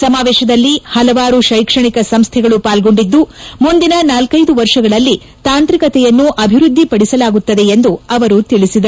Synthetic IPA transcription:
sɐmaːʋɛːʃɐd̪ɐlːihɐlɐʋaːɾuʃɐjkʂɐɳikɐsɐmst̪ʰɛɡɐɭupaːlɡo̞ɳɖid̪ːumund̪inɐnaːlkɐjd̪uʋɐɾʂɐɡɐɭɐlːi | t̪aːnt̪ɾikɐt̪ɛjɐnːuʔɐbʱiɾud̪ʱːipɐɽisɐlaːɡut̪ːɐd̪e̞end̪uɐʋɐɾut̪iɭisid̪ɐ

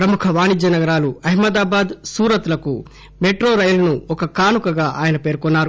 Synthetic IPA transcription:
pɾɐmukʰɐʋaːnid͡ʒɐnɐɡɐɾaːluɐɦimɐd̪aːbaːd̪suːɾɐt̪lɐku | meʈɾoːɾɐjɐlɐnuɔkɐkaːnukɐɡaːʔaːjɐnɐpe̞ːɾkɔnːaːɾu

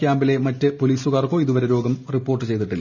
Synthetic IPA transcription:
kʲaːmbile̞mɐtːɨpo̞liːsuɣaːrko̞ːiðuʋɐɾeɾo̞ːɡɐmripːoːrʈːɨt͡ɕe̞jt̪iʈːilː

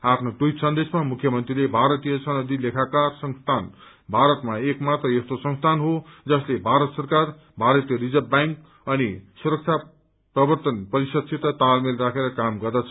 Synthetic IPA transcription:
apʰnod̪ujt̪sʌnd̪esmamukʰjʌmʌnt̪rilebʱaɾʌt̪ijʌsʌnʌd̪ʱilekʰakarsʌŋst̪ʰan | bʱaɾʌt̪maekmat̪rʌest̪osʌŋst̪ʰanɦod͡zʌslebʱaɾʌt̪sʌrkar | bʱaɾʌt̪jʌɾid͡zʌbbajŋk̚ | ʌnisuɾʌk̚t͡sʰa | prʌbʌrt̪ʌnpʌɾisʌd̪̚sʰit̪ʌt̪almelrakʰeɾʌkamɡʌrd̪at͡sʰʌ

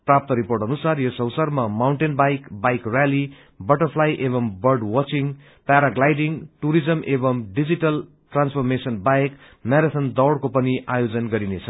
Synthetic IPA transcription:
prap̚t̪ʌɾiporʈʌnusarjosʌwsarmamawɳʈenbajkbajkrjali | bʌʈʌrpʰlajʔeβʌmbʌrɖwʌt͡siŋ | paɾaɡlajɖiŋʈuɾid͡zʌmʔebʌmɖid͡ziʈʌl | ʈranspʰʌrmesʌnbajek | maɾit̪ʰʌnd̪ʌwɽkopʌniajod͡zʌnɡʌɾinet͡sʰʌ

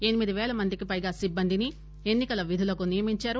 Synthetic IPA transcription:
enimid̪iʋɛːlɐmɐnd̪ikipɐjɡaːsibːɐnd̪ini | e̞nːikɐlɐʋid̪ʱulɐkunijɐmiɲt͡ʃaːɾu

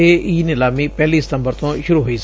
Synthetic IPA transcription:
eːiːnɪlaːmiːpɛːliːsɪ̥t̪ə̃mbəɾt̪õːʃʊɾuːɦoiːs

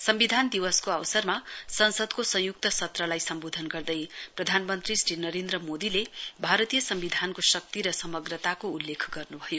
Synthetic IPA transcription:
sʌmbid̪ʱand̪iwʌskoawsʌrmasʌnsʌd̪kosʌ̃juk̚t̪ʌsʌt̪rʌlajsʌmbod̪ʱʌnɡʌrd̪ʌjprʌd̪ʱanmʌnt̪risʈinʌɾend̪rʌmod̪ilebʱaɾʌt̪ijʌsʌmbid̪ʱankosʌk̚t̪iɾʌsʌmʌɡrʌt̪akoulːekʰɡʌrnubʱʌjo

